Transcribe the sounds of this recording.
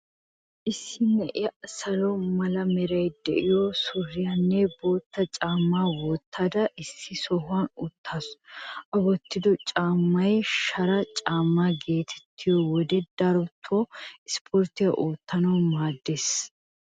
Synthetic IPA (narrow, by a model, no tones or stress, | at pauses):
ʔɪsːɪnɛʔɪjɐʔsɐlɔmɐlɐmɛɾɐjd̪ɛ̰ʔɪjosʊrːɪjɐnːɛbo̞ːt̪ːɐt͡ʃʼaːmːaːwɔːt̪ːad̪ɐʔɪsːɪsɔɦʊanʊt̪ːasʔɐbɔt̪ːɪd̪ɔt͡ʃʼaːmːɐjʃɐɾɐt͡ʃʼaːmːaːɡe̞ːt̪ʰɛ̥t̪ʰːɪjɔwɔd̪ɛd̪̥ɐɾɔt̪ʰːoɪspʰoːɾt̪ɪjɐʔoːt̪ːɐnɐwmaːd̪ːes